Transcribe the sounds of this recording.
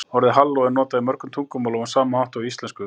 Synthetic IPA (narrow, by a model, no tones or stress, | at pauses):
ɔɾðɪɦalːɔɛɾnɔːt̪aimœɾkʏmt̪ʰuŋkʏmawlɔwansaːmaawht̪aist̪lɛnskʏ